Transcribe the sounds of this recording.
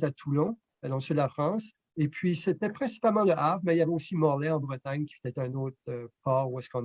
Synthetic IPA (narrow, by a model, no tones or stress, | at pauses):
t̪at̪ʰulɔ̃ | d̪ɔ̃syd̪əlafχɑ̃s | epʰɥiset̪ɛpχɛ̃si̥palmɑ̃ləʔavmɛiljavɛosimɔʁlɛɑ̃bʁət̪aɲkʲipət̪ɛt̪ɛ̃noːt̪χøpaʁuɛskɔ̃n